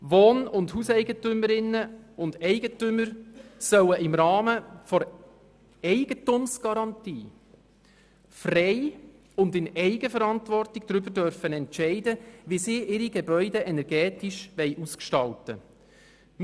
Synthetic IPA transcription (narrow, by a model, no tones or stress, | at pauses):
ʋoːnʊndhusɛɪɡətʏməɾɪnːəʊndɛɪɡətʏmːəɾsœwəʔɪmɾɑːməfɔɾ | ɛɪɡ̥ətumsɡ̥ɑɾɑntḭː | frɛɪ | ʊndɪnɛɪɡəfəɾɑntʋɔrtɪɡ̥dɾʏbədœɾfənɛntʃɛɪdəʋisiːʔɪɾiɡebœʏdɛʔɛnɛɾɡɛːtiʃʋɛɪʔuskʃtɑltə | m